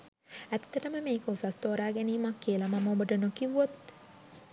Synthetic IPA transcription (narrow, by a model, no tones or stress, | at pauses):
æt̪ːəʈəməmeːkəusast̪oːɾaːɡæniːmakːiəlamamobəɖənokiʋuot̪